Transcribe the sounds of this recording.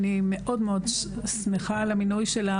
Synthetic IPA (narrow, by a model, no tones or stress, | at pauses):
nimeʔo̞d̪meo̞d̪ | smeχalaminujʃela